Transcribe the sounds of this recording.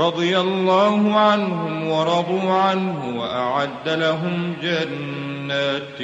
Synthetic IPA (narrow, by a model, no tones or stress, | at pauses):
ɾˤɑd̪ˤɨjalːaːhʊʕanhʊmwɑɾˤɑd̪ˤuːʕanhʊwaʔaʕad̪ːalaɦʊmd͡ʒanː | aːt̪